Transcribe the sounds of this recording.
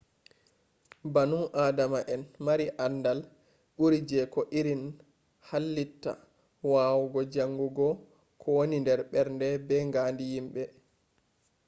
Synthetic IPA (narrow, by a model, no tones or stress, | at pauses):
banuŋʔaːdamaʔɛnmaɾiʔandal | ɓuɾid͡ʒɛkɔʔiɾin | halːitːa̰ | waːwɡɔd͡ʒaŋːɡuɡɔ | kʰɔwonindɛɾɓɛɾndɛbɛŋɡaːndijimɓɛ